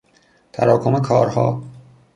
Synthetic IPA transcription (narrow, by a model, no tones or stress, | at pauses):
t̪ʰæ̰ɾɒːkʰomekʰɒːɾhɒ̰ː